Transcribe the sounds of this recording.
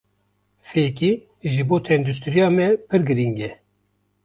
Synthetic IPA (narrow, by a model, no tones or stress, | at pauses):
feːki | ʒɨboːt̪ʰɛnd̪ust̪ʰɨɾijɑːmɛpʰɨɾɡɨɾiŋɡɛ